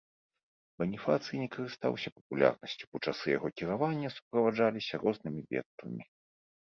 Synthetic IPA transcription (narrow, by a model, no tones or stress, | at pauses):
vɐnʲifat̪sɨjinʲɛkɐɾɨst̪a̰wsʲɐpɐ̥pulʲa̰rnɐsʲt͡sʲu̥put͡ʂasɨja̰ɣɔkʲiɾavanʲːɐsu̥pɾɐvad͡ʐalʲisʲɐrɔznɨmʲivʲɛ̰k̪t̪vɐ̰mʲi